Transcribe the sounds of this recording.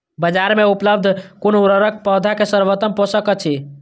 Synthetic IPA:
bəd͡ʒaɾmeupləb̚d̪ʱkonuɾəɾək̚pəd̪ʱakesəɾbət̪əmpɦosəkət͡ʃʰi

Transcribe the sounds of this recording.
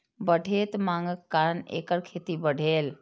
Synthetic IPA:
bəɖʱeːt̪maŋɡəkkːanḛːkəɾkʰeːt̪ibəɽʱeːl

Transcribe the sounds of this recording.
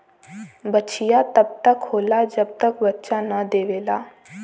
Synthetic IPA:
bətːt͡ʃijat̪əb̚t̪əkhoːlad͡ʒəb̚t̪əkbətːʃanəd̪eːʋeːlaː

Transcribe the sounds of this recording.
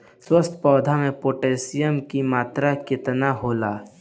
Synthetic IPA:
swəst̪ʰpɔːd̪ʱamẽpoːʈeːsɪjəmkimaːt̪ɾakɪt̪naɦoːlaː

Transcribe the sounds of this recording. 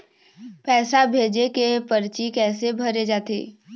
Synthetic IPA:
pɛːsabʱeːd͡ʒekepəɾt͡ʃikɛːsebʱɐɾed͡ʒaːt̪ḛː

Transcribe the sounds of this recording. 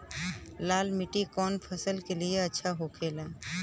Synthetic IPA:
laːlmɪʈikɔːnpʰəsəlkelieɐtːʃʰaɦoːkʰeːlɛ̃ː

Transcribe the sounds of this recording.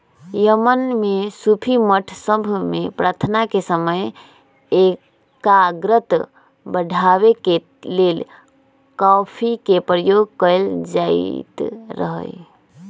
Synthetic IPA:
jəmənmesupʰiməʈʰsəbʱmepɾaɾt̪ʰnakesəməj | e | kaɡɾət̪ | bəɖʱaʋeke | lel | kɔpʰikepɾəjoɡ̚kəjld͡ʒaḭt̪ɾə̰ɦə̰j

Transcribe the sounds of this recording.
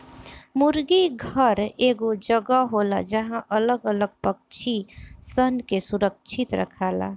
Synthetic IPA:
muɾɡiɡʱəɾeɡod͡ʒəɡaɦola̰d͡ʒəɦãʔələɡələɡ̚pək̚t͡ʃʰisənkesuɾək̚t͡ʃʰit̪ɾə̰kʰala̰

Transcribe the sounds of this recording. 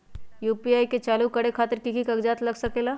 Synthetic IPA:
juːpiaːiket͡ʃaːlukɐɽekʰaːt̪əɾkikikəɡd͡ʒaːt̪lɐɡsəkela

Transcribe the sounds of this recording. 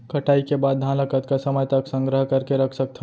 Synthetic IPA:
kɐʈaːikebaːd̪̚d̪ʱãləkət̪kasəməjt̪ɐksə̃ŋɡɾəɦkɐɾkeɾɐkʰsək̚t̪ʰa

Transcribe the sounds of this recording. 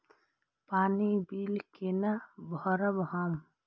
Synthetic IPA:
paːnibilkenabʱɔɾəbɦam

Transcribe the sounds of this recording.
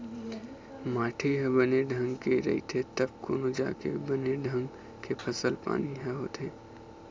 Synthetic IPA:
maːʈʰeɦɛbəneɖʱə̃ŋɡkeɾɐ̰ḭt̪ʰet̪əb̚ko̰ːnod͡ʒa̰ːkḛbəneɖʱɐ̃ŋɡ | kepʰɐsəlpa̰ːniɦɛɦoːt̪ʰeː

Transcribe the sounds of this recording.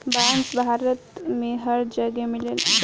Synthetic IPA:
bansbʱaɾət̪meɦəɾd͡ʑəɡemilel

